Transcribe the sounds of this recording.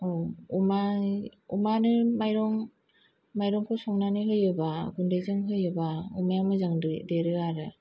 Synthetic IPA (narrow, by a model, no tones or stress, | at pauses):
ɔumaumanɯmajɾɔŋ | majɾɔŋkʰɯsɔŋnanɯɦɯjɯbaɡundejzɯŋɦɯjɯbaumajamɯzaŋdɯdeɾɯaɾɯ